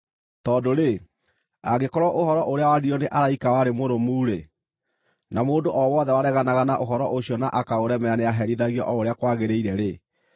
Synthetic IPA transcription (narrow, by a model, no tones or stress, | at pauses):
tɔːdoɾe | a̰ɣekɔɾɔʔohɔɾɔʔoɾeawadiɔneʔaɾaikawaɾemoɾomuːɾe | namoːndoʔɔwɔðɛwaɾɛɣanaɣanaʔoɦɔɾɔʔoɕiɔnaʔakaoɾɛmɛaneaɦɛɾiðaɣiɔ̰ʔɔoɾeakwaɣeɾeiɾɛɾe